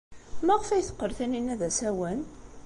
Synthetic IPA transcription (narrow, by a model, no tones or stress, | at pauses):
mæʁəfæjθə̥qːəɾθæninːæðæsæwən